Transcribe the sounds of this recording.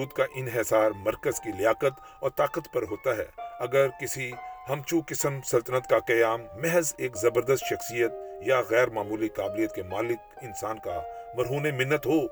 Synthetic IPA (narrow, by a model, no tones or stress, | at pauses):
uːd̪kaʔɪnɦesaːɾmɐɾkəzkilɪjaːqət̪ | ɔːɾt̪aːqət̪pɐɾɦoːt̪aɦɛ̰ːɐɡəɾkɪsihɐmt͡ʃukɪsəmsɐlt̪ənət̪kaqɐjaːmːɛɦzeːkzɐbəɾd̪əst̪ʃɐxsijət̪̚jaɣɛːɾmaːmuːliqaːblijət̪̚kemaːlɪk | ɪnsaːnkamɐɾɦuːnemɪnːət̪ɦoː